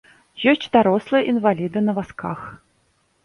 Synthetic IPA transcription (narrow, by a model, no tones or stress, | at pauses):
jɔsʲt͡sʲd̪aɾɔslˠɨjʔinvalʲid̪ɨnɐvaska̰x